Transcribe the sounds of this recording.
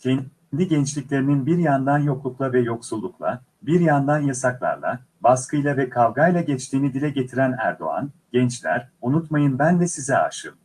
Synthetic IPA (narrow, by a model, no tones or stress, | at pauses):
cʰɛ | nd̪iɟɛnt͡ʃlʲicʲlʲe̞ɾininbiɾjand̪anjo̞klˠuklˠavɛjo̞ksulˠːuklˠa̰ | biɾjand̪anjasaklˠa̰ɾlˠa̰ | baskɯjlˠavɛkʰalˠɡajlˠaɟɛt͡ʃt̪ʰiːnid̪ilʲɛɟet̪ʰiɾænæ̰ɾd̪o̞̰a̰nɟ̥ɛnt͡ʃlʲæ̰ɾunut̪majɯnbænd̪ɛsizɛa̰ʃɯ̰m